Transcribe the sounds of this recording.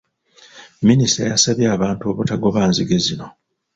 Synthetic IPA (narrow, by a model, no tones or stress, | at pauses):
minista̰jasaβjaːβaːntuo̞βutaɡo̞βaːnziɡe̞zino̞